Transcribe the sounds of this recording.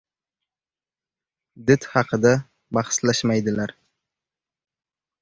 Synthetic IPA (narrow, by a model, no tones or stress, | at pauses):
d̪ɪt̪hɑqʰɨd̪a | bɑhslaʃmajd̪ɪlaɾ